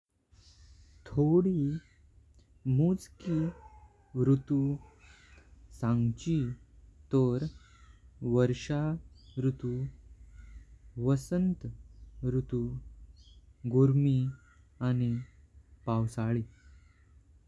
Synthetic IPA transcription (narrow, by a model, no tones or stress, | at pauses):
t̪ʰoɽiː | mud͡zki | ʋɾut̪u | sãŋɡt͡ɕit̪əɾ | ʋəɾʂaɾut̪u | ʋəsənt̪ɾut̪u | ɡuɾmi | anipawsaɭiː